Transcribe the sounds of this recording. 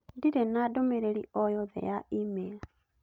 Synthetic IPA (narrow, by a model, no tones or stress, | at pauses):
diɾenadomeɾeɾiʔojoðḛjaimea